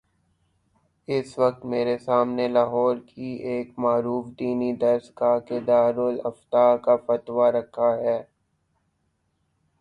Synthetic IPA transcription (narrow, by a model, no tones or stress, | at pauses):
ɪsʋɐk̚t̪meːɾesaːmnelaːɦɔːɾkieːkmaːɾuːfd̪iːnid̪ɐɾskaked̪aːɾʊlɐft̪aːkafɐt̪ʋaɾɐkʰaɦɛː